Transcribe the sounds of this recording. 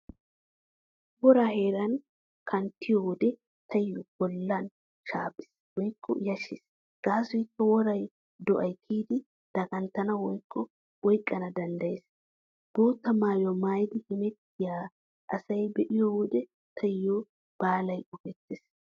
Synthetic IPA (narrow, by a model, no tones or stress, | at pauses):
wɔɾaːheːɾɐn | kʰɐnt̪ːɪjɔwɔd̪ɛ | t̪ʰɐjːɔb̥ɔlːɐn | ʃaːpʼːɪ̥s | wɔjkʰːɔ̰jɐʃɪs | ɡ̥aːsɔjɪkːɐwɔɾɐj | d̪ɔʔɐjkʰiːd̪ɪ | d̪̥ɐɡʼɐnt̪ːɐnɐwɔjkʰːɔ | wɔjkʼːɐnɐd̪ɐnd̪ɐjeːs | b̥oːt̪ːɐmaːjɔmaːjd̪ɪhɪmɛt̪ːɪjaː | ʔɐsɐjbɛʔɪjɔwɔd̪ɛ | t̪ʰɐjːo | b̥aːlɐjʊfɛt̪ːes